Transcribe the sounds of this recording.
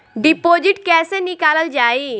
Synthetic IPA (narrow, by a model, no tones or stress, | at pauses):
ɖipod͡ʑiʈkɛsenikaləld͡ʑai